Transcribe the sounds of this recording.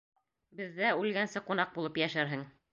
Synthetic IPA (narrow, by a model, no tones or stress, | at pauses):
bɘ̆ðːæʉlɡænsɘqunɑq̚bulˠɤpjæʃæɾɦɘŋ